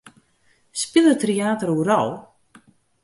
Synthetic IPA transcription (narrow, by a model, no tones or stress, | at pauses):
spɪðat̪ʰɾiaːt̪əɾuɾaw